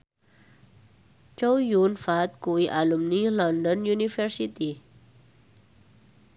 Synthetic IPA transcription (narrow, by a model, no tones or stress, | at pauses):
t͡ʃowjunfat̪̚kuwiʔalumnilɔndɔnjunifərsit̪i